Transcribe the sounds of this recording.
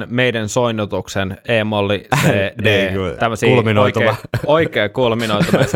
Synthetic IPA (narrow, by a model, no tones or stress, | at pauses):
nmeidænsoinːˑut̪ukseneːmolːisedːt̪æmːøsiːlminoieoikeːkulminojt̪ɑes